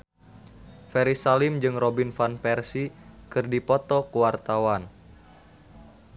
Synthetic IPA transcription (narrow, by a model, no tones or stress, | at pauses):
fɛɾisalimd͡ʒɨŋrobinfanpɛrsikɨrdipɔt̪ɔkuwart̪awan